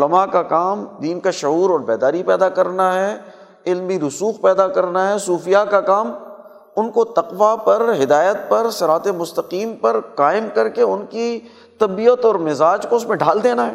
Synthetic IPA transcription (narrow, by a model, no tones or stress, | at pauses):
ʊləmakakaːmd̪iːnkaʃɐɦuːɾɔːɾbɛːd̪aːɾipɛːd̪akɐɾnaɦɛ | ɪlmbiɾʊsuːxpɛːd̪akɐɾnaɦɛsuːfijakakaːm | ʊnkot̪ɐqʋapɐɾɦɪd̪aːjət̪̚pɐɾsɐɾaːt̪emʊst̪əqiːmpɐɾqaːɪmkɐɾkeʊnki | t̪ɐbiət̪ɔːɾmɪzaːd͡ʒkoʊsmẽɖʱaːld̪eːnaɦɛː